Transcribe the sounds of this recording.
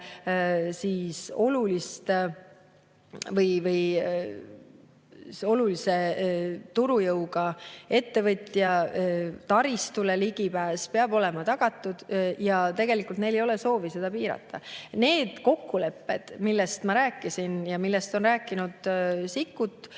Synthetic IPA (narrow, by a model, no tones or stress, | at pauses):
siːso̞lulist̪ | vɤjvɤj | o̞lulise̞t̪uɾujɤwɡɑe̞t̪ːe̞vɤt̪ʲjɑ | t̪ɑɾist̪uleliɡ̥ipæːspeɑbo̞lɛ̞mɑt̪ɑɡ̥ɑt̪ːˑud̪̥jɑt̪e̞ɡ̥e̞likˑult̪ne̞jlejo̞le̞so̞ːvise̞d̪̥ɑpiːɾɑ̰t̪ʰˑːɑ̰ne̞ːd̪̥ko̞kːule̞pːe̞d̪̥milːest̪mɑɾæːkːˑisinjɑmilːest̪o̞nræːkːˑinud̪̥sikːˑut̪ːˑ